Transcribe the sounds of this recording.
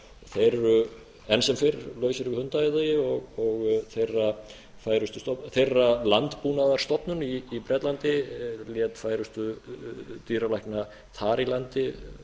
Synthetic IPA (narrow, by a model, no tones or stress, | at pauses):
θejɾːʏ | ɛnsɛmfɪɾlœːɥsɪɾvɪhʏnt̪ajðajɪɔɣɔɣθejrːa | faːjɾʏst̪ʏst̪ɔθejrːalant̪puːnaðaɾ̥st̪ɔpnʏniːpɾɛt̪lant̪ɪljɛːt̪fajɾʏst̪ʏ | t̪iːɾalajhkna | θʰaːɾilant̪ɪ